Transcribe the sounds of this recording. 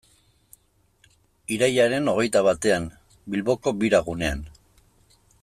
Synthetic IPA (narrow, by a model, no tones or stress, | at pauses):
iɾajaɾe̞no̞ɣ̞e̞jt̪aβat̪e̞am | bilβo̞ko̞biɾaɣune̞a̰n